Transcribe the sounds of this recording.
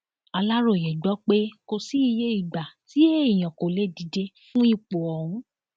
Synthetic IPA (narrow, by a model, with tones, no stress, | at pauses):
a˧la˦ɾo˨jɛ˨ɡ͡bɔ˨˦k͡pe˦ko˧si˦i˧je˦i˦˨ɡ͡ba˨ti˨˦e˦i˦˨j̃ã˨ko˨le˦di˨˦de˧fũ˦i˦˨k͡po˨ɔ̃˨ũ˨˦